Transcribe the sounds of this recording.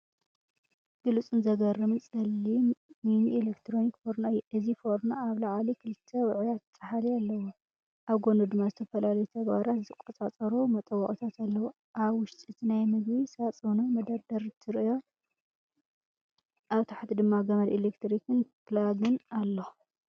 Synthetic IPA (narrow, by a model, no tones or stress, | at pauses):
ɡ̥ɨlut͡sʼɨnzɐɡɐrɨmɨnsʼɐlːiminielekt̪ʰɾo̞nikfoɾnoɨjːɛʔɨzifoɾnoaβlaʕalikʰɨlɨt̪ʰːɐwʊʕjat̪ːt͡sʼɐħalialːɐwu | ʔaβɡo̞nud̪ɨmːazɨt̪ʰɐfɐlalɐjut̪ʰɐɡβa̰ɾat̪zɨt̪ʰɨkʼɐt͡sʼat͡sʼɐɾumɐt̪ʼɐwɐʔʼut̪ʰat̪alːɐwo | ʔaβwʊʃt̪ʼit̪ʰinajmɨɡβisat͡sʼɨnomɐd̪aɾd̪ɐɾɨt̪ʰɨɾɨɨjo̞ | ʔaβt̪ʰaħt̪id̪ɨmːaɡɐmɐlelekt̪ɾikɨnplaɡɨnalːo